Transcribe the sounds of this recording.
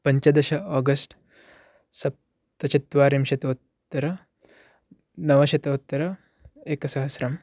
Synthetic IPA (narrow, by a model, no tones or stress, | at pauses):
pɐɲt͡ʃɐd̪ɐʃɐaːɡɐsʈ | sɐp̚ | t̪ɐt͡ʃit̪ːʋaːɾimʃɐt̪ɐut̪ːɐɾɐ | nɐʋɐʃɐt̪ɐut̪ːɐɾɐ | eːkɐsɐɦɐsɾɐm